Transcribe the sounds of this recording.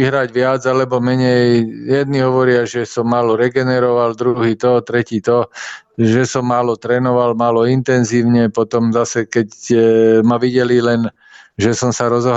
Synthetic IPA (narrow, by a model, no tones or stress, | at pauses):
iɦɾaɟʋɪad͡zalɛbɔmɛɲɛjjɛd̪̚niɦɔʋɔɾɪaʒɛsɔmːaːlɔɾɛɡɛnɛɾɔʋald̪ɾuɦiːt̪ɔt̪ɾɛciːt̪ɔ | ʒɛsɔmːaːlɔt̪ɾɛːnɔʋalmaːlɔint̪ɛnziːʊɲɛpɔt̪ɔmzasɛkɛc | maʋiɟɛlilɛn | ʒɛsɔmsaɾɔzɔɦ